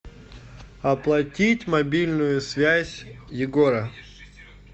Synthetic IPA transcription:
ɐplˠɐtʲitʲmɐbʲilʲnʊjʊsvʲæzʲjɪɡoɾɐ

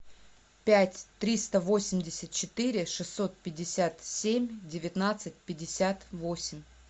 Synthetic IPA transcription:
pʲætʲt̪ɾʲist̪əvo̞sʲɪmʲdʲɪsʲət̪̚t͡ɕɪt̪ɨɾʲɪʂɨsːo̞t̪̚pʲɪdʲɪsʲat̪sʲemʲdʲɪvʲɪt̪nat̪sɨt̚ʲpʲɪdʲːɪsʲat̪vo̞sʲɪmʲ

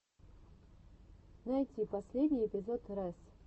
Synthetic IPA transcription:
najtʲipɐsʲlʲedʲnʲijepʲɪzot̪ɾas

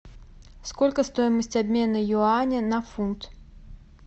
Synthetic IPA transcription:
skolʲkəst̪o̞jɪməsʲtʲabʲmʲe̞nɨjʊanʲɪnɐfunt̪

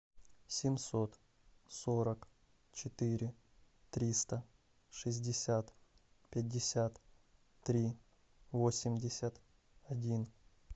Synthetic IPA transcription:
sʲɪmʲso̞t̪ | so̞ɾək | t͡ɕɪt̪ɨɾʲɪ | t̪ɾʲist̪ə | ʂɨzʲdʲɪsʲat̪ | pʲɪd̚ʲːɪsʲat̪ː | ɾʲi | vosʲɪmʲdʲɪsʲət̪ | ɐdʲin

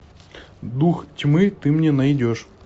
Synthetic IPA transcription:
d̪uxtʲmɨt̪ɨmnʲɛnɐjdʲoʂ

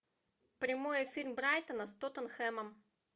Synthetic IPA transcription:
pɾʲɪmojəfʲirʲmbɾajt̪ənəst̪ot̪ənxɛməm

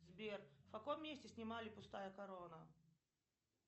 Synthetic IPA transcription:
zbʲerfkɐkomːʲesʲtʲɪsʲnʲɪmalʲɪpʊst̪ajəkɐɾonə

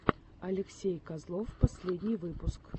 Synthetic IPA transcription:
ɐlʲɪksʲejkazlˠofpɐsʲlʲedʲnʲijvɨpʊsk

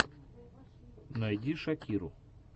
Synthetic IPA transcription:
nɐjd̪ʲiʃɐkʲiɾʊ

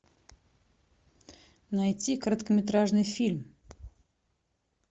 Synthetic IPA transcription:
najtʲikəɾət̪kəmʲɪt̪ɾaʐnɨjfʲilʲm

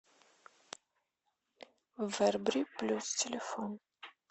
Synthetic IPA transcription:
vɛrbriplʲustʰelefon

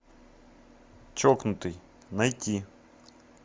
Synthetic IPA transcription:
t͡ʃɔknʊt̪ɪj | nɐjtʲi

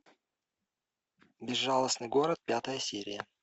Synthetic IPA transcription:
bʲɪzːalˠəsnɨjɡo̞ɾət̪̚pʲat̪əjəsʲiɾʲɪ̰jə

